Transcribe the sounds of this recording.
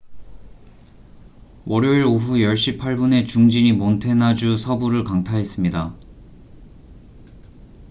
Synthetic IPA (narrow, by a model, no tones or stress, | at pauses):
wʔʌɾjoiɾoɸujʌɭɕ͈ipʰaɭbune̞t͡ɕuŋd͡ʑiɲimontʰe̞nad͡ʑusʰʌbuɾɯɭkaŋtʰaɦe̞s͈ɯmɲida